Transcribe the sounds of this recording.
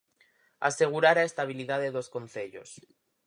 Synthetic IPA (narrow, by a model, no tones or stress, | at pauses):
a̰se̞ɣ̞uɾaɾae̞st̪aβ̞iliðaðeðo̞sko̞nθe̞ʎo̞̰s